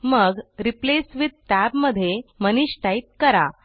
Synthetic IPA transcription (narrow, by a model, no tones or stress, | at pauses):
məɡɾiplesʋid̪̚tæbməd̪ʱːjeməniɕʈait̪̚kəɾa